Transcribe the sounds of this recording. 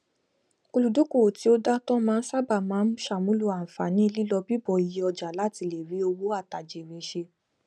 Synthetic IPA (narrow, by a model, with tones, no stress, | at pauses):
o˧lu˨do˨˦ko˦˨ti˨˦o˦da˦tɔ̃˦mãː˦˧˦n̩˦sa˦ba˦˨mãː˨˦ʃa˨mũ˦lu˦a˨n̩˨fa˨nĩ˨˦i˧li˦lɔ˧bi˦bɔ˨i˨je˧ɔ˧d͡ʒa˨la˨˦ti˧˦le˨ɾi˨˦o˧wo˦a˦˨ta˨d͡ʒe˨ɾe˨ʃe˧